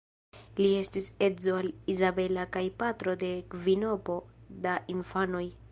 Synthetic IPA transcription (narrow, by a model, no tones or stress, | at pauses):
lie̞stise̞zo̞alizabe̞lakajpatɾo̞de̞kvino̞po̞daʔinfano̞j